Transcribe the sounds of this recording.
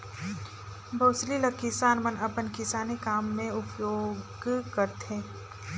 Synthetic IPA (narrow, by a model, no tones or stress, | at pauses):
bʱɐːsliləkːɪsaːnmɐnɐpənkɪsaːnikaːmːẽʊpjoːɡ | kɐɾt̪ɦẽː